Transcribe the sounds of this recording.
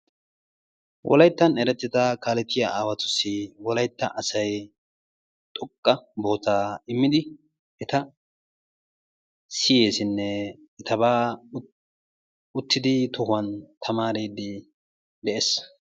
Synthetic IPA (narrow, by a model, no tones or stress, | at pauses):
wʔɔ̰lɐjt̪ːɐnɛɾɛt̪ːɪt̪ɐkaːlɛt̪ːɪjaaːwɐt̪ʊ̥sːɪwɔlɐjt̪ːɐʔɐsɐj | t̪ʼɔkʼːɐbo̞ːt̪aːɪmːɪd̪ɪ | ɛt̪ɐ | sɪje̞ːsɪnːɛ | ɛt̪ɐbaː | ʊt̪ʰːɪd̪ɪt̪ʊhʊɐnt̪ʰɐmaːɾeːd̪ɪ | d̪ɛʔeːs